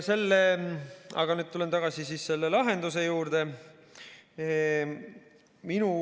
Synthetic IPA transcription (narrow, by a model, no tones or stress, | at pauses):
se̞lːe | ɑ̰ɡɑnyːd̪̚t̪ule̞nt̪ɑɡ̥ɑsisiːsse̞lːelɑɦe̞nd̪use̞juːɾd̪̥e | minu